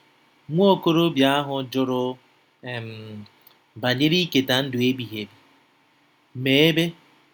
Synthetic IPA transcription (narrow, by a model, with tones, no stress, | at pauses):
ŋʷo˦o˦˨ko˦ɾo˦bja˦a˦ɦʊ˨d͡ʒʊ˦ɾʊ˦ | e˨m̩˨ | ba˨ɲe˦ɾi˦ke˨ta˨n̩˦dʊ˨e˦ɡ͡bi˨ɦe˨bi˨ | me˨e˦be˦